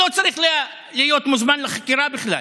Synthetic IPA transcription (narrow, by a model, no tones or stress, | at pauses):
ot͡saɾiχlia | lihjo̞t̪muzmanleχakiɾabiχla